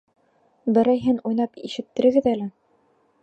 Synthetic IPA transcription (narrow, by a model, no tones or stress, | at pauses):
d̪ɤ̆ɾɑjɦɘnujnɑpiʃɘ̆t̪ːɘ̆ɾɘ̆ɡɘðælɘ